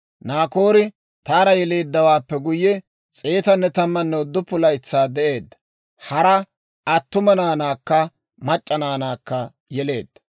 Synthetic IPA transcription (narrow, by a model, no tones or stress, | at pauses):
naːko̞ːɾɪ | t̪aːɾɐjɛle̞ːd̪ːɐwaːpːɛɡʊjːɛ | t͡sʼeːt̪ɐnːɛt̪ɐmːɐnːɛʊd̪ːʊpʊlɐjɪt͡sːaːd̪ɛʔe̞ːd̪ːɐ̥ | hɐɾɐ | ɐt̪ːʊmɐnaːnaːkːɐ | mɐt͡ʃʼːɐnaːnaːkːɐ | jɛle̞ːd̪̥ːɐ̥